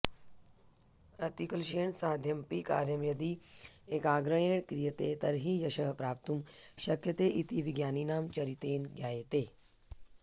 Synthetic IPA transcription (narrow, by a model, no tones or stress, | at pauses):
ɐt̪ikɐlʃeːɳsaːd̪ʱjɐmpika̰ːɾjɐmjɐd̪ieːkaːɡɾɐjeːɳkɾijət̪eːt̪ɐɾɦijɐʃɐɦpɾaːp̚t̪umʃɐkjɐt̪eːʔit̪iʋiɡjaːninaːmt͡ʃɐɾit̪eːnɡjaːjet̪eː